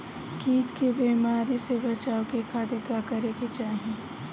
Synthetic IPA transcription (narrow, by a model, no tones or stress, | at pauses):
kiːt̪kebeːmaːɾisebɐt͡ʃaːokekaːd̪ekakɐɾeket͡ʃaːɦiẽː